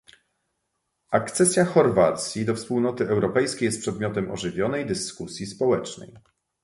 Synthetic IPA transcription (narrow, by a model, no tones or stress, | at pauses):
akt̪sɛsʲjaxɔɾvat̪sʲjid̪ɔfspuwnɔt̪ɘɛwɾɔpɛjskʲejɛst̪pʂɛd̪mʲjɔt̪ɛmʔɔ̰ʐɘvʲjɔnɛjd̪ɘskusʲjispɔwɛt͡ʂnɛ̰j